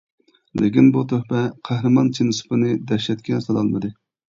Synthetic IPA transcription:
lʔɪ̰kʲinbut̪ʰøhpɛqʰæhɾɨmɑnt͡ʃʰinɨsɨ̥pɨnɨd̪ɛʃlɛt̪kʲɛsɑlɑlˠmɨd̪ɨ

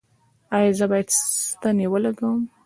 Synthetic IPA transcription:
ɑjɑzəbɑjad̪st̪aniwəlaɡawəm

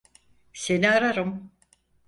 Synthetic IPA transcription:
se̞niaɾaɾɯm

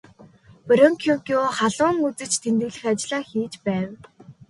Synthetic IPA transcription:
pɔɾɔŋkʰukʲuχaɮʊːŋut͡sɘ̆t͡ɕt̪ʰent̪ɘ̆ɣɮɘ̆xat͡ɕɮaːxiːt͡ɕpæːw

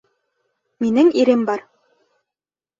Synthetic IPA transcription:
minɘŋiɾɘmbɑɾ

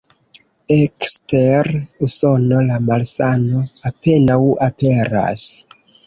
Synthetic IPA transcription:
eksteɾuso̞no̞lamalsano̞ape̞nawape̞ɾa̰s

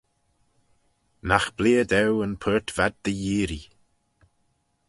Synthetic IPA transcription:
naxb̥liːəd̪ɛwənpʰəːɹtv̥ad̪̚ðəjiːɾi

